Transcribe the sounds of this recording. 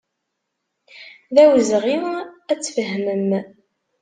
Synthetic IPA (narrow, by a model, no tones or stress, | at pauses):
ðæwəzʁiæt͡sːfəɦməm